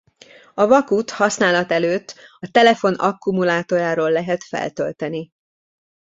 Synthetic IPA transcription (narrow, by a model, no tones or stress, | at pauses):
ɒvɒkut̪hɒsnaːlɒt̪ɛløːt̪ːɒt̪ɛlɛfo̞nɒkːumulaːt̪oːjaːɾoːlːɛɦɛt̪fɛ̰lt̪ølt̪ɛni